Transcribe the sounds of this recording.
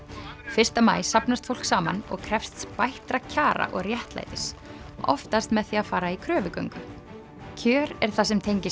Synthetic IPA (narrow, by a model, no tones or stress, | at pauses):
fɪr̥st̪ama̰ːjsapnast̪fowl̥ksaːma̰nɔ̰ɣkʰɾɛfst̪spajht̪ɾacʰaːɾa̰ʔɔɣrjɛht̪la̰jt̪ɪsɔ̰ft̪ast̪mɛðθiːafaːɾaikʰɾœːvʏkœ̰ɥŋkʏ | cʰœːɾɛɾ̥θasɛmt̪ʰejɲcɪs